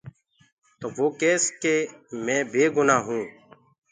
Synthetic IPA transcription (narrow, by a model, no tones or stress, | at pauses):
t̪oːʋoːkeːskeːmɛ̃ːbʱeːɡʊnaːɦũː